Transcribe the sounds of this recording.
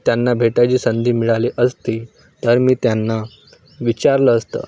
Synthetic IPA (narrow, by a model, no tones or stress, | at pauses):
t̪janːabʱeʈat͡ɕiːsənd̪ʱiːmiɭaliːʔəst̪i | t̪əɾmiːt̪janːa | ʋit͡ɕaɾləːst̪ə̰